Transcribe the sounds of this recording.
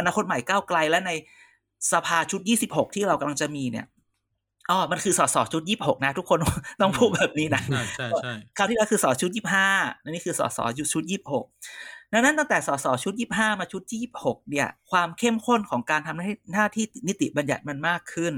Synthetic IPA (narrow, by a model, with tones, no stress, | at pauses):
ʔa˧naː˧kʰo˦˥t̪̚ma˨˩jkaː˥˩wkla˧jlɛ˦˥na˧j | sa˧pʰaː˧t͡ɕʰu˦˥t̪̚jiː˥˩si˨˩p̚ho˨˩k̚t̪ʰiː˥˩ɾa˧wka˧mla˧ŋt͡ɕa˨˩miː˧ni˥˩ɐ | ʔɔː˧˩ma˧nkʰɯː˧sɔː˩˦˥sɔː˩˦t͡ɕʰu˦˥t̪̚jiː˥˩p̚ho˨˩k̚na˦˥t̪ʰu˦˥kʰːo˧n˥t̪ɔ˥˩ŋpʰuː˥˩t̚bɛː˨˩p̚niː˦˥na˦˥˩ | kʰaː˧˥˩t̪ʰiː˥˩aː˧˥kʰɯː˧sɔː˩˦t͡ɕʰu˦˥t̪̚jiː˥˩p̚ɦaː˥˩a˧niː˦˥kʰɯː˧sɔ̰ː˩˦sɔ̰ː˩˦t͡ɕu˦˥t̪̚t͡ɕʰu˦˥t̪̚jiː˥˩p̚ho˨˩k̚na˦˥na˦˥nt̪a˥˩ŋt̪ɛː˨˩sɔː˩˦sɔː˩˦t͡ɕʰu˦˥t̪̚jiː˥˩p̚ɦaː˥˩maː˧t͡ɕʰu˦˥t̪̚jiː˥˩iː˥˩p̚ho˨˩k̚ni˥˩ɐkʰwaː˧mkʰe˥˩mkʰo˥˩nkʰɔː˩˦ŋkaː˧nt̪ʰa˧mna˥˩jnaː˥˩t̪ʰiː˥˩t̪i˨˩ni˦˥t̪ḭ˨˩ba˧nja˨˩t̪̚ma˧nmaː˥˩kʰːɯ˥˩n